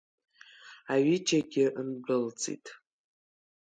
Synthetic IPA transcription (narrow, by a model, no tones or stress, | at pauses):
aɥid͡ʒaɡʲɪʔnbɨld͡zʰʼḭtʼ